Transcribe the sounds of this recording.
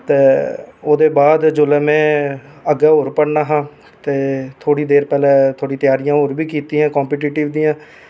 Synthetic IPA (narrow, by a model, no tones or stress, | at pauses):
t̪eːoːd̪eːbaːd̪d͡ʒoːlɛːmɛ̃ː | əɡaːoːɾpəɽnaːɦãː | t̪eːt̪ʰoːɽiːd̪eːɾpɛːlɛːt̪ʰoːɽiːt̪ɪjaːɾijãːoːɾbiːkiːt̪iːɦãːkɔ̃ːmpeːʈiːʈiːʋd̪iːãː